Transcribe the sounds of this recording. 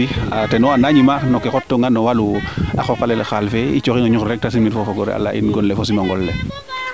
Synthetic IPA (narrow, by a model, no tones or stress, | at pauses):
iatɛnɔanaɲimanɔkːɛkɔtːoŋɡanɔwalua̰xɔkalɛlxalfeit͡ʃokiŋɔɲukɾɛk̚tasimitfɔfɔɡɔɾɛ̰a̰lːa̰ʔḭnɡɔnlefos̬imaŋɡɔlːe